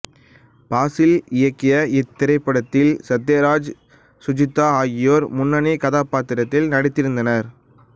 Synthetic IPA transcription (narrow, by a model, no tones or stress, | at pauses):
paːsɪlɪjɐkːɪjɐɪt̪ːɪɾɐɪpːɐɽɐt̪ːɪlsɐd̪eːɾaːd͡ʒ | sʊd͡ʒɪt̪ːaːaːɣɪjoːɾmʊnːɐnikɐðaːpaːt̪ɪɾɐt̪ːɪlnɐɽɪt̪ːɪɾɯnd̪ɐnɐɾ